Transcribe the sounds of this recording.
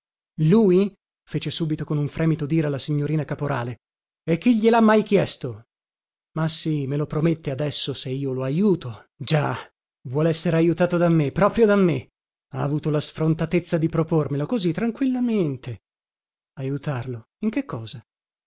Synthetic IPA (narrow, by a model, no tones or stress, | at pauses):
luːj | feːt͡ʃesuːbit̪okonuɱfɾɛːmit̪od̪iːɾealːasiɲːoɾiːnakapoɾʔa̰ːle | ekːiʎːelamːajkjɛst̪o | masːimelopɾomet̪ːead̪ɛsːoseiːoloajuːt̪o | d͡ʒa | vwɔːleɛsːeɾeajut̪aːt̪od̪amːepːɾɔːpɾjod̪amːe | aːvuːt̪olasfɾont̪at̪et̪sːad̪ipɾopormelokozit̪ːɾaŋkwilːament̪e | ajut̪arlo | iŋk̟ekʰːɔːza